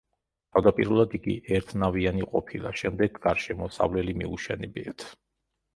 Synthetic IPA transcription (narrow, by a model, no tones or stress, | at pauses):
t̪ʰavd̪apʼiɾulˠad̪iɡḭʔɛɾt̪ʰnavianiqʼɔpʰilˠa̰ʃɛmd̪ɛɡːaɾʃɛmɔsa̰vlɛlimḭuʃɛnɛbḭat̪ʰ